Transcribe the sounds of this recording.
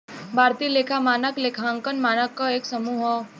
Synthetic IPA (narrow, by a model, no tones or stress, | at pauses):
bʱaːɾt̪ileːkʰamaːnəkleːkʰãŋkənmaːnəkːaeːksɐmuːɦə